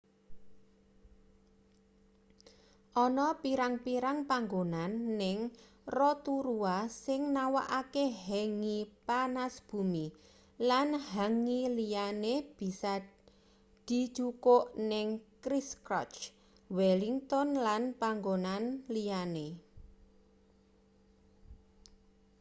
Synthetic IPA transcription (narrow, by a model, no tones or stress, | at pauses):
ʔɔnɔpiɾaŋpiɾaŋpaŋɡonanːɪŋ | rɔt̪uɾuasɪŋnawa̰ʔakeɦɛŋipanasb̥ṳmi | lanhaŋilijaneb̥i̤sa | d̪̥i̤̥t͡ʃukoʔnɪŋkɾiskɾɔ̰t͡ʃ | wɛliŋt̪ɔnlanpaŋɡonanlijane